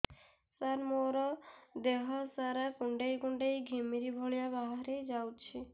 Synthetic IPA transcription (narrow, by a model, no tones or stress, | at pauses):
saɾmoɾɔd̪eɦɔsaɾakuɳɖejkuɳɖejɡʱemiɾibʱoɭijabaɦaɾed͡ʒawt͡ʃʰi